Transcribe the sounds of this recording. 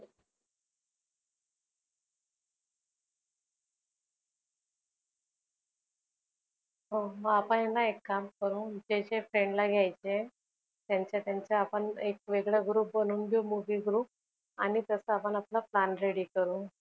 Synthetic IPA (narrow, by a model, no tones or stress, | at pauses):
ɦoməapəɳɦenːaekːamkəɾũːd͡ʑeɕefɾeɳɖlaɡʱjajt͡ɕe | t̪jaɲt͡ɕat̪jaɲt͡ɕeapəɳek̚ʋeɡɭjaɡɾuːp̚bənuːnɡumuʋiɡɾuːp̚ | anit̪əsəapəɳaplaplanɾeɽikəɾũː